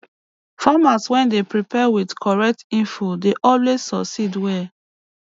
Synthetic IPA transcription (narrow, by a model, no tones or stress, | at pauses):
famaswɛ̃ndepɹipɛwidkʰɔɹɛk̚tĩfodeʔɔlwez̥sɔksidwɛ